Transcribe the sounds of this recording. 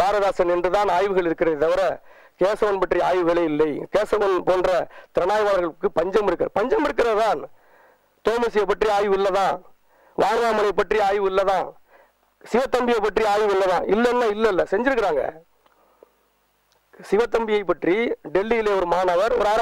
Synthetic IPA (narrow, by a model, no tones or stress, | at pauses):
baːɾɐðaːsɐnɛndrɯt̪ãːnaːjʋɯɣɐɭɪɾɯkːɪɾɐðɪt̪ːɐʋɪɾɐ | keːsɐʋɐnpɐʈria̰ːjʋɯʋɛɭɐjɪlːɐɪkeːsɐʋɐnpoːndrɐt̪ɪɾɐnaːjɐʋaːlɐɾɣɐɭɯkːɯpɐɲd͡ʒɐmɪɾɯkːɐɾpɐɲd͡ʒɐmɪɾɯk̬ːɪɾɐðɯt̪ãːn | t̪oːmɐsɪjɐɪpːɐʈriaːjʋɯɪlːɐðãː | ʋaːɳaːmɐlɐɪpːɐʈriaːjʋɯɪlːɐðãː | sɪʋɐt̪ːɐmbɪjɐɪpːɐʈriaːjʋɪlːɐðãːʔɪlːɛnːaːɪlːɐɪlːɐsɛɲd͡ʒɪɾɯkːɪɾaːŋɡɐ̰ | sɪʋɐt̪ːɐmbɪjɐɪpːɐʈriɖɛlːijɪleːɔɾɯmaːnɐʋɐɾɔ̰ɾaːɾɐ